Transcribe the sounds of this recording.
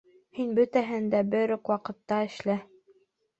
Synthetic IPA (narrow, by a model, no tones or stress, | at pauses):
hinbɵt̪æɦɘnd̪æbɘɾoqwɑqɤ̆t̪ːɑɘ̆ʃlæ